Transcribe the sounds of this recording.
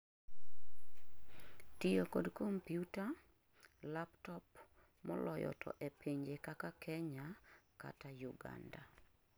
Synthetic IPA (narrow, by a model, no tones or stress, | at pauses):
tijokodkompjuta | laptɔp | mɔ̰lɔjɔ̰tʰɔ̰ʔepeɲd͡ʒekakakʰɛɲaka̰tajuɡa̰nda